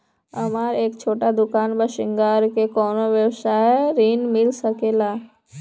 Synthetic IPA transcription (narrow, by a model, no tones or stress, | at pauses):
ɐmaːɾeːkt͡ʃʰoːʈad̪ʊkaːnbəʃɪ̃ŋɡaːɾkekɔːnoʋjəwsaɦɛɾiːnmɪlsəkeːlaː